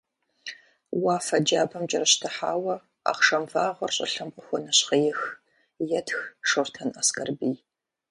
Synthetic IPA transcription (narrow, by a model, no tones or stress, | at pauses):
waːfɐd͡ʒaːbɐmt͡ʃʼɐrɨɕtʰɐħaːwɐ | a̰ːqʂɐmvaːʁʷɐrɕʼɐ̰ɬɐmqʼʊxʷɔnɐɕqɐjɪx | jɛtxʂortʰɐnɐskʼɐrbiːj